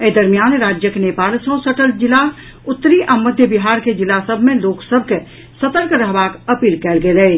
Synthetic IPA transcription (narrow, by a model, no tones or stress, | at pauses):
əed̪əɾmjaːnɾaːd͡ʒjəkenepaːlsə̃səʈəld͡ʒɪla | ʊt̪ːəɾiʔaməd̪ʱjəbiɦaɾked͡ʒilasəbʱmẽloksəbʱke | sət̪əɾkɾəɦbakəpiːlkɛːlɡelɛ